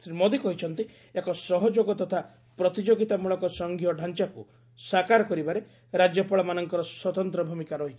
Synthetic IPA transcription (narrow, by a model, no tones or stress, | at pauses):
mɔd̪ikɔɦit͡ʃʰɔnt̪i | ekɔsɔɦɔd͡ʒoɡɔt̪ɔt̪ʰa | pɾɔt̪id͡ʒoɡit̪amuɭɔkɔsɔŋɡʱijɔɖʱant͡ʃaku | sakaɾɔkɔɾibaɾe | ɾad͡ʒjɔpɔɭɔmanɔŋkɔɾɔswɔt̪ɔnt̪ɾɔbʱumikaɾɔɦit͡ʃ